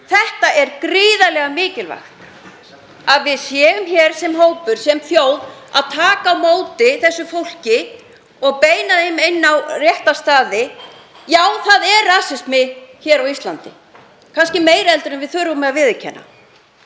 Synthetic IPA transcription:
θɛht̪aʔɛɾkɾiːðalɛɣamɪːcɪlva̰xt̪ | aðvɪðsjɛːʏmçɛɾ̥sɛmɦoːwpʏɾ̥sɛmθjoːwða̰ðt̪ʰaːkaːwmoːwt̪ɪθɛsːʏfowl̥cɪ | ɔɣpeːjnaðɪmejnːawrjɛht̪ast̪aːðɪ | jaːwθaðɛrːaːsɪst̪mɪçɛːɾawist̪lant̪ɪ̰ | kʰanscɪmeːjɾɛlt̪ʏɾɛnvɪðθʏɾvʏmːɛavɪðɪcʰɛ̰nːa̰

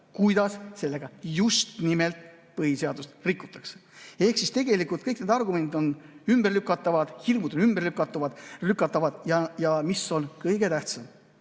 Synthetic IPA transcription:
kujd̪̥ɑsse̞lːe̞ɡ̥ɑjust̪nimelt̪ | pɤhise̞ɑd̪ust̪rikːˑut̪ːˑɑkse̥e̞hksist̪e̞ɡe̞likult̪̚kɤjkne̞d̪ɑrɡume̞nd̪id̪o̞nymberlykːˑɑt̪ːˑɑvɑd̪̥hirmud̪onymberlykːˑɑt̪ːˑuvɑd̪̥rykːˑɑt̪ːˑɑvɑd̪̥jɑjɑmiso̞nkɤjɡ̥e̞t̪æht̪sɑm

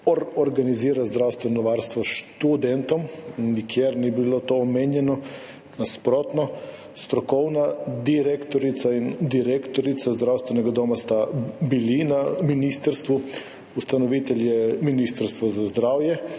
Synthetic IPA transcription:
oɾɔɾɡaniziːɾazd̪ɾawst̪ʋɛnɔʋaːɾst̪ʋɔʃt̪ud̪ɛnt̪ɔmnikjeɾnibilot̪oːmeːnjɛnɔ | naspɾoːt̪nɔ | st̪ɾɔkɔwnad̪iɾekt̪ɔɾit̪saind̪iɾekt̪ɔɾit̪sazd̪ɾawst̪vʋɛnɛɡad̪omast̪abilinaminist̪əɾst̪ʋu | ust̪anɔʋiːt̪ɛljɛminist̪aɾst̪ʋazazd̪ɾaːwjɛ

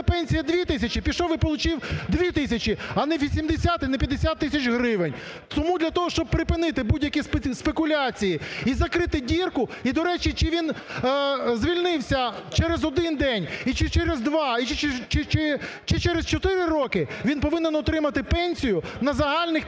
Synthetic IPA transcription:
pɛnʲsʲijɐd̪ʲʋʲit̪ɪsʲɐt͡ʃipʲiʃɔʋɪpɔlˠʊt͡ʃiwd̪ʋʲit̪ɪsʲɐt͡ʃiɐnɛʋʲisʲimd̪esʲat̪ɪnɛpʲjɐd̪esʲat̪ːɪsʲɐt͡ʃɦɾɪʋenʲ | t̪ɔmud̪lʲɐt̪ɔɦɔʃt͡ʃɔb̚pɾɪpɪnɪt̪ɪbudʲjɐkʲispspekʊlʲat͡sʲijiizɐkɾɪt̪ɪdʲirkʊid̪ɔɾɛt͡ʃit͡ʃɪʋʲin | zʋʲilʲnɪwsʲɐt͡ʃɛɾezɔd̪ɪnd̪ɛnʲit͡ʃɪt͡ʃɛɾezd̪ʋɑit͡ʃt͡ʃɪt͡ʃɪ | t͡ʃɪt͡ʃɛɾest͡ʃɔt̪ɪɾɪɾɔkɪʋʲinpɔʋɪnɛnɔt̪ɾɪmɐt̪ɪpɛnʲsʲijʊnɐzɐɦɑlʲnɪx

